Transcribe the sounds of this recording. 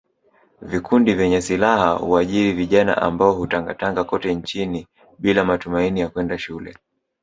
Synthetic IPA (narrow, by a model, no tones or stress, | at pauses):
vikʰundivɛɲɛsilahahuaʄiɾiviʄana̰ʔa̰mbaɔhutaŋɡataŋɡakɔtɛɲt͡ʃini | ɓilamatumainijakwɛndaʃulɛ̰